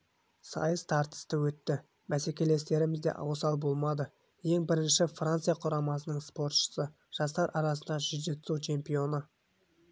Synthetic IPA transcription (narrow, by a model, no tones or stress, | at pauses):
sɑ̰jəzt̪ʰɑɾt̪ə̥st̪əwɵt̪ːɪ | mæse̞kʲe̞le̞st̪e̞ɾɪmɪzd̪e̞̰ʔɑ̰wsɑlˠbo̞lˠmɑd̪ə | je̞ŋbɪɾɪnʃɪfrant̪sɨjaqʰʊɾɑmɑsənəɴspo̞ɾt̪ʃə̥sə | ʒ̥ɑst̪ɑɾʔɑɾɑsənd̪ɑʒʏze̞t̪sut͡ʃʰe̞mpijo̞nə